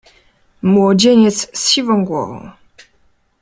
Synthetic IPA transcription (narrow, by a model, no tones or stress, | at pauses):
mwɔd͡ʑeɲɛt̪ssɕivɔ̃w̃ɡwɔ̰vɔ̰̃w̃